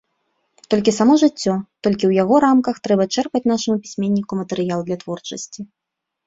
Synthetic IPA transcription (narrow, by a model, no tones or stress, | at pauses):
t̪ɔlʲkʲisamɔʐɨt͡sʲːɔt̪ɔlʲkʲiwjaɣɔɾamkɐxt̪ɾɛbɐt͡ʂɛrpɐt͡sʲn̪aʂɨmupʲi̥sʲmʲenʲːikumɐt̪ɛɾɨjalˠd̪lʲɐt̪vɔrt͡ʂɐsʲt͡sʲi